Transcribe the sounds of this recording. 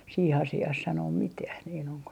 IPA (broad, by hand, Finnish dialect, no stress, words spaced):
siːh ɑsiɑːh sɑnoːm mitæh niːn oŋko